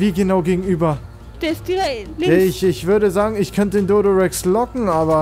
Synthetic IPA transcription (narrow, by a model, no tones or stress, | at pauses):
viːɡənaʊɡeːɡŋ̩ʔyːbɐ | d̥ɛsiɛɪçɪçv̥ʏɐɾəzaːɡŋ̩ɪçkʰœntədeːndoːɾoʁɛkslɔkŋ̩ʔaːβɐ